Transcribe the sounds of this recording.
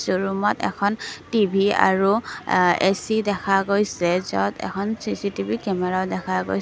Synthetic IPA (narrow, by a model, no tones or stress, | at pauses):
zuɹumɔtɛ̰kʰɔntibʱia̰ɹu | esidɛkʰaɡojsɛzɔ̰tʰɛ̰kʰɔnsisitibʱikɛmɛɹadɛkʰaɡo̰j